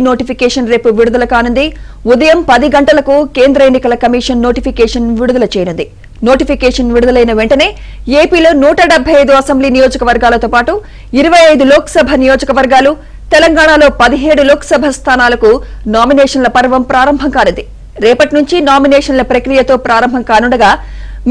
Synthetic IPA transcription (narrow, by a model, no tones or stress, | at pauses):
no̞ːʈipʰikɛːʂɐnɾe̞ːpuʋiɽud̪ɐlɐkaːnund̪i | ud̪ɐjɐmpɐd̪iɡɐɳʈɐlɐkukeːnd̪ɾɐenːikɐlɐkɐmiːʂɐnːo̞ːʈipʰikɛːʂɐnʋiɽud̪ɐlɐt͡ʃeːjɐnund̪i | noːʈipikɛːʂɐnʋiɽud̪ɐlɐjnɐʋeɳʈɐne̞ː | eːpiːlo̞ːnuːʈɐɖɛbʱːɐjɐjd̪uɐsɐmbliːnijoːd͡ʒɐkɐʋɐɾɡaːlɐt̪o̞ːpaːʈu | iɾɐʋɐjɐjd̪uloːkɐ̥sɐbʱɐnijoːd͡ʒɐkɐʋɐɾɡaːlu | t̪ɛlɐŋɡaːɳaːlo̞ːpɐd̪iɦe̞ːɽuloːkɐ̥sɐbʱɐst̪ʰaːnaːlɐkunaːminɛːʂɐnlɐpɐɾʋɐmpɾaːɾɐmbʱɐŋkaːnund̪i | ɾɛːpɐʈinuɲt͡ʃinaːminɛːʂɐnlɐpɾɐkɾijɐt̪o̞ːpɾaːɾɐmbʱɐŋkaːnuɳɖɐɡaː